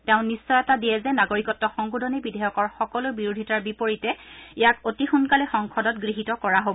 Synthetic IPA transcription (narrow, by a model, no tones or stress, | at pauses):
tɛʊ̃nisːɔjɛtadiɛzɛnaɡoɹikɔtːɔxɔŋɡudʱɔnibidʱɛjɔkɔɹxɔkɔlʊbiɹudʱitaɹbipoɹitɛijakotixunkalɛxɔŋkʰɔdɔtɡɹiɦitɔkɔɹaɦobɔ